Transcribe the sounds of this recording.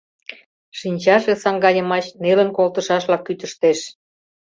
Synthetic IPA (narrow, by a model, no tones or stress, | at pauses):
ʃinʲt͡ɕɑʃesɑŋɡɑjəmɑɕnelənkolt̪ə̆ʃɑʃlɑkːyt̪əʃt̪eʃ